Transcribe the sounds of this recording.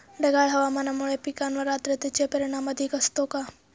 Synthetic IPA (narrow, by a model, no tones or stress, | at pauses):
ɖɐɡaːɭɦɐʋamɐnamuɭepikanʋɐɾaːt̪ɾet̪it͡ʃepɐɾɪɳ̃amɐd̪ʱikɐst̪oka